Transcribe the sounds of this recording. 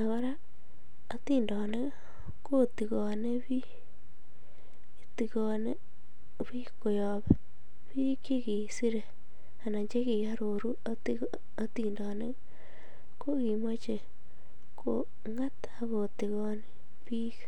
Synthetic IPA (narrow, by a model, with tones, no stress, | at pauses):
a˨ɣo˦ɾa˦ | a˦t̪i˦ndɔ˨ne˦ | ko˦t̪i˨ɣɔ˨ne˦bi˦ | ti˨ɣɔ˨ne˦ | βi˦ko˨jɔ˨be˦ | pi˦ki˦ɣi˨si˦ɾe˨ | a˨na˨ɲd͡ʒe˦ɣi˨ja˦ɾo˨ɾu˦a˦ti | a˦ti˨ndɔ˨ne˦ | ko˦ɣi˨me˦t͡ʃe˨ | ko̰˨ | ŋa˦t̪ | a˦ɣo˨ti˨ɣɔ˦˧ne˦ | pi˦k